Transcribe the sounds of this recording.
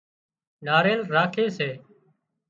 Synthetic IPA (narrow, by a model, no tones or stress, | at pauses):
naːɾeːlɾaːkʰeːseː